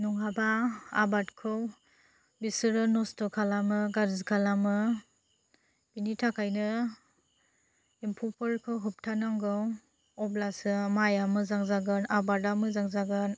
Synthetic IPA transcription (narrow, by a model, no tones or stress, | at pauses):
nuŋabaa̰batkʰɯw | bisɯɾɯnɔstɔkʰalamɯɡaɾzkʰalamɯ | binitʰakʰajnɯ | impʰupʰɯɾkʰɯwɦɯp̚tʰanaŋɡɯw | ɔblasɯmajamɯzaŋzaɡɯnabadamɯzaŋzaɡɯn